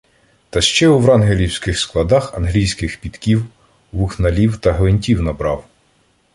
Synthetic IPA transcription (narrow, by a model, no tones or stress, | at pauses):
t̪ɐʃt͡ʃɛuʋɾɑnɦelʲiwsʲkɪxsklˠɐd̪ɑxɐnɦlʲijsʲkɪxpʲit̪kʲiw | ʋuxnɐlʲiwt̪ɐɦlenʲtʲiwnɐbɾɑw